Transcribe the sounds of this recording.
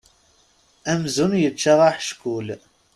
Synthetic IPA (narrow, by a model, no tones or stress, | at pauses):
æmzunjət͡ʃːaʁaħʃkʊl